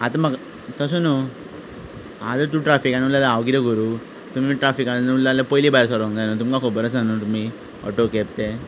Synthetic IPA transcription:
at̪ãmaɡ | t̪əs̬uno | a̰d͡zət̪uʈɾafikaniulalaaʋɡiɾəɡoɾu | t̪um̤iʈɾafikaulːaləpojlibajɾs̬aɾʋə̃ŋd̪anot̪̬umkakʰobəɾəsnanut̪um̤i | ɔ̰ʈokep̚t̪e

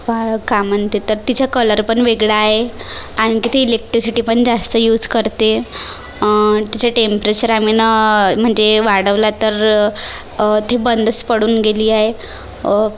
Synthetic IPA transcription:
ʋakamənt̪et̪əɾt̪it͡ɕakələɾpəɳʋeɡɭaːɦeaɽ̃ikit̪ʰeilek̚ʈɾisiʈiːpəɳd͡zast̪əjuːd͡zkəɾt̪e | t̪at͡ɕaʈempɾet͡ɕəɾaminam̤əɳd͡zeʋaɽəʋlat̪əɾ | t̪ʰebənd̪ʱəspəɽuːnɡeliːaɦe

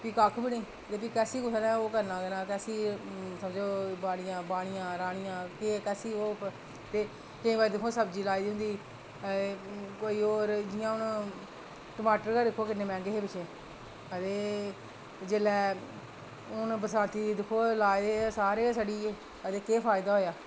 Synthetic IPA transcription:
piːkaːkʰubiːnĩː | t̪eːp̬iːkɛːsiːkʊsənɛ̃ːoːkəɾnãːkənãːkɛːsiːsəmd͡ʒoːbaːɽ̃ɪjãːbaːɽ̃ɪjãːɾaːɽ̃ɪjãːkeːkɛːsiːoːp | t̪eː | kəĩːbaid̪ɪkʰoːsəbd͡ʒiːlaːiːd̪iːʊ̃nd̪iː | koːiːoːɾd͡ʒɪjãːʊn | ʈəmaːʈəɾkaːd̪ɪkʰːoːkɪnːeːmɛ̃ːɡeːɦeːpɪt͡ʃʰeː | ət̪eː | d͡ʒeːlɛː | ʊnbəsãːnt̪iːd̪ɪkʰːoːlaːd̪eːsaːɾeːsaɽiː | ət̪eːkeːpʰaːɪd̪aːɦoːjaː

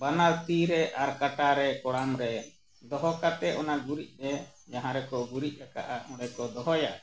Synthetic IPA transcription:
banalt̪iɾɛʔaɾkaʈaɾɛkɔɽamɾɛ | d̪ɔɦɔkat̪ɛʔɔnaɡuɾic̚ˀɾɛ | d͡ʒaɦãɾɛkɔɡuɾic̪̚ˀɾaka̰ʔaʔɔ̃ɽɛkɔd̪ɔɦɔja

